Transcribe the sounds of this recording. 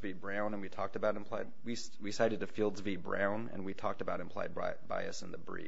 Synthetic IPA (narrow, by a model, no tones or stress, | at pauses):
vibɹãʊ̃nə̃nwitʰɔk̚tɨbaʊɾɨ̃n̩pʰl̥aɪd̚wis | wisaɪɾɨd̚tɨfilˠdzvibɹã̰ʊ̃nɨ̰̃nwitʰɔk̚tɨbaʊɾɨ̃mpʰl̥aɪd̚baɪba̰ɪʌsɨ̃n̩ðɨbɹḭ